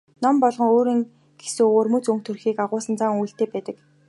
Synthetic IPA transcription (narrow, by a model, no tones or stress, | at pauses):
nɔmpɔɮʁɞ̆ŋoːɾiːŋ | ɡ̥e̥soːoːrmɵt͡sɵŋk̚t̪ʰɵrxiːkaʁʊːsə̆nt͡saŋujɬt̪eːpæːt̪ə̆k